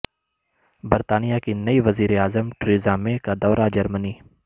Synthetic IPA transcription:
bəɾt̪aːnijakinɐiʋəziːɾeaːzəmʈɾiːzãːmẽkad̪ɔːɾad͡ʒɐɾməniː

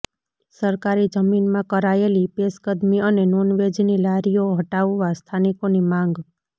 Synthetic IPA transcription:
səɾkaɾid͡ʒəminmãkəɾaelipeskəd̪miənenonʋed͡ʒnilaɾijoɦəʈaʋːast̪ʰanikonimãŋɡ

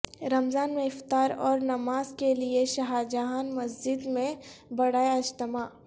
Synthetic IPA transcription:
ɾɐmzaːnmẽɪft̪aːɾɔːɾnɐmaːzkelieʃɐɦaːd͡ʒaɦanmɐsd͡ʒɪd̪mẽbɐɽaːeɐd͡ʒt̪ɪmaː

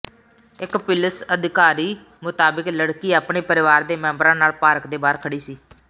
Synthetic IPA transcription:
ɪkpɪləsəd̪ɪkaːɾiː | mʊt̪aːbɪkləɽkiːaːpɳeːpəɾɪʋaːɾd̪eːmɛ̃ːmbəɾãːnaːlpaːɾəkd̪eːbaːɾkʰəɽiːsiː

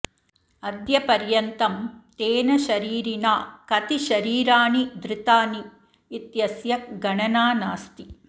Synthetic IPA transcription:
ɐd̪jɐpɐɾjɐnt̪ɐmt̪eːnɐʃɐɾiːɾinaːkɐt̪iʃɐɾiːɾaːnid̪ɾɪt̪aːniː | t̪jɐsjɐk̚ɡɐɳɐnaːnaːst̪i

